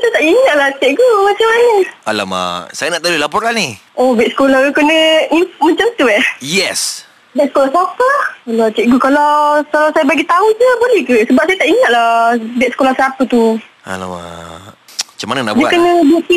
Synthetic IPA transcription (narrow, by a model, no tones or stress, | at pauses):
sat̪aʔiŋat̪̚laht͡ʃɛʔɡumat͡ʃamːanəala̰ma̰sajənaʔt̪alulapɔɾaniobɛt̪̚sə̥kolakənə̃imat͡ʃamt̪uɛjɛs | bɛt̪̚sə̥kolahsapəhkalat͡ʃɛʔɡukalawkalasajabaɡit̪aud͡ʒəbolɛhkəsəbap̚sajat̪aʔiŋat̪̚lahbɛt̪səkolahsapət̪u | a̰la̰ma̰ | mat͡ʃamanəna̰ʔbd͡ʒəakənə̃baʔ̪̚i